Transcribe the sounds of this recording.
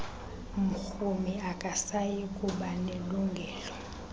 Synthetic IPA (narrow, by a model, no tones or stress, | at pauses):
muxumiakʼasajikʼuɓaneluŋɡʱɛːlɔ